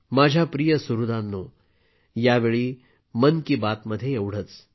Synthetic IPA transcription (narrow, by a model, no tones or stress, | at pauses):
mad͡ʑʱjapɾijəsuɾud̪anːu | jaʋeɭiː | mənkiːbat̪məd̪ʱːjeewɽ̤ət͡s